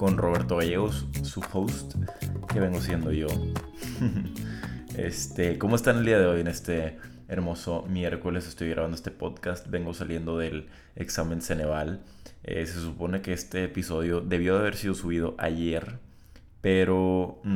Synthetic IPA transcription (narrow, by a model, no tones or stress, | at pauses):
ko̞nro̞βe̞ɾt̪o̞ɣaʝeɣosːuxowst̪ke̞βe̞ŋɡosje̞nd̪o̞ʝo̞ | ḛst̪eko̞moest̪aneld̪iaðe̞o̞je̞ne̞st̪e̞ː | ɾmo̞so̞mje̞ɾko̞le̞sest̪o̞jɣɾaβand̪oest̪epo̞ðkast̪̚be̞ŋɡo̞salje̞nd̪o̞ðe̞l | eksamẽ̞nse̞ne̞βalḛse̞supo̞ne̞keest̪e̞ːpiso̞ðjo̞ðe̞β̞jo̞ðeaβe̞ɾsið̞osuβið̞o̞ʔa̰ʝe̞ɾ | pe̞ɾo̞